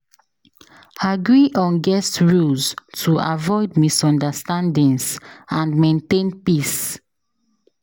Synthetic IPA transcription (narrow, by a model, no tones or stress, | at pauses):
aɡɹiʔɔ̃nɡɛstɹulztʰuʔavɔɪdmisɔ̃ndəstãndĩnsãnmẽntẽnpis